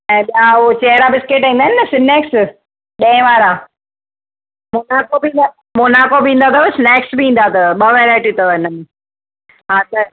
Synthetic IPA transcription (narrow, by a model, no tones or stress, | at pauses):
ɛ̃ːɓijaot͡ɕeːɦɾabɪskeːʈĩːnd̪aɦɪnɐsɪnɛːks | ɗẽɪ̃ʋaːɾa | monaːkobĩːna | monaːkobĩːn̆d̪at̪ʰɐsɪneːksbiĩːn̆d̪at̪ʰɐɓəʋɛːɾaːɪʈit̪oɪnən | ɦãːt̪ɐ